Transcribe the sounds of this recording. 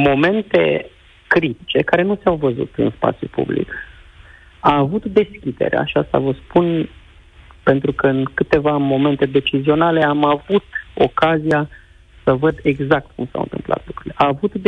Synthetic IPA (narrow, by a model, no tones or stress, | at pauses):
mo̞me̞nt̪e̞̰ | kɾit̪i̥t͡ʃe̞kaɾe̞nuseawvəzṵt̪ɨ̰nspa̰t̪sʲjṵpṵblḭk | aːvut̪d̪e̞skʲid̪e̞̰ɾḛa̰ʃiast̪a̰vəspun | pe̞nt̪ɾukəɨnkɨt̪e̞vamo̞me̞nt̪e̞d̪e̞t͡ʃizio̞nale̞amavut̪o̞̰kazija | səvəd̪e̞ɡzak̚t̪kumsa̰wɨ̰nt̪ɨ̰mpla̰t̪lukɾuɾileʔaːvut̪d̪